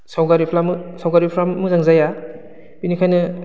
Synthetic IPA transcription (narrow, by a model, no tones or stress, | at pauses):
sawɡaɾipʰlamsawɡaɾipʰlamːɯzaŋzaja | binikʰajnɐ